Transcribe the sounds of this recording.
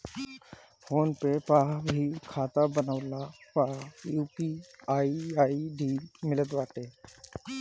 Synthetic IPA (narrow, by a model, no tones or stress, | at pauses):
fʰoːnpepaɦbʱikʰaːt̪abənəʋlapajuːpiaiaiɖiːmɪlət̪ʋaːʈe